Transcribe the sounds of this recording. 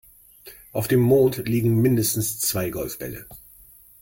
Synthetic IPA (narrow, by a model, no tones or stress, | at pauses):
ʔaʊfd̥eːmːoːntliːɡŋ̩mɪndəstn̩st͡sv̥aɪɡɔlfb̥ɛ̰lə̰